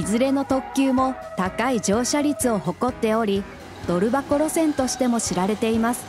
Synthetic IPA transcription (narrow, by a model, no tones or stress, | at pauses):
izɨɾe̞no̞t̪o̞kʲːɨːmo̞ | t̪akaid͡ʑo̞ːɕaɾʲit͡sɨo̞ho̞ko̞t̪ːe̞o̞ɾʲi | d̪̥o̞ɾɯ̟bakoɾo̞sẽ̞nt̪o̞ɕi̥t̪e̞mo̞ɕiɾaɾe̞t̪e̞imasɨ̥